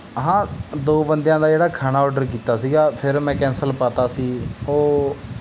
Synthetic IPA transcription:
ɦãːd̪oːbənd̪jãːd̪aːd͡ʒeːɽaːkʰaːnaːɔːɖəɾk̬iːt̪aːsiːɡaːpʰɪɾmɛ̃ːkɛ̃ːnsəlpaːt̪aːsiːoː

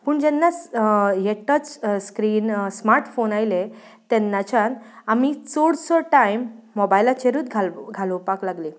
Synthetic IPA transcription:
pəːɳd͡ʑɛnːat͡sjeʈət͡sskɾiːnsmaɾʈfonajle | t̪ɛnːat͡ɕanamit͡soɽsɔʈaimːɔbajlat͡ɕeɾuːt̪ɡʱalɡʱaləwpaklaɡli

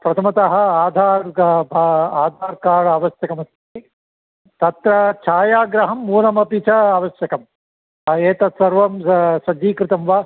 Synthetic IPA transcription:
pɾɐt̪ʰɐmɐt̪ɐɦɐ̆aːd̪ʱaːɾbʱaaːd̪ʱaːɾkaːɭɐɐːʋɐsjɐkɐmɐst̪ʰi | t̪ɐt̪ɾɐt͡ʃʰaːjaːɡɾɐɦɐmːuːlɐmɐpit͡ʃɐaːʋɐʃjɐkɐm | ɐeːt̪ɐt̪sɐɾʋɐmsɐd͡ʒiːkɾɪt̪ɐmʋaː

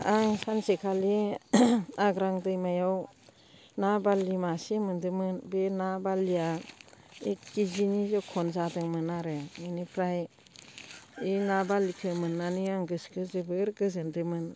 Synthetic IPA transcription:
aŋsansekʰali | aɡɾaŋdɯjmajaw | nabalimasemɯndɯmɯnbenabalija | ekizinizɔkʰɔnzadɯŋmɯnaɾɯɯnipʰɾaj | inabalikʰɯmɯnːaniaŋɡɯskʰɯzɯbɯɾɡɯzɯndɯmɯn

